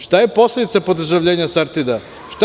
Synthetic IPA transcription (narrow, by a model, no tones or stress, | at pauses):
ʃt̪ajeposled̪it̪sapod̪r̩ʒaʋʎʲeːɲasaɾt̪id̪a | ʃt̪